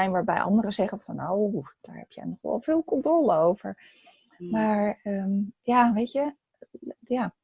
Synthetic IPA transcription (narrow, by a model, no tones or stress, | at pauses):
ɛjnʋaːɹbɛ̰jʔɑ̰ndərəzɛχəv̥ɑnowd̥a̰ːɹɦɛ̰pjə̰jnɔχʋ̰ɛ̰lˠfɪːlˠkɔntoləowvəɹ | maːɹəmjaːʋejtə | jaː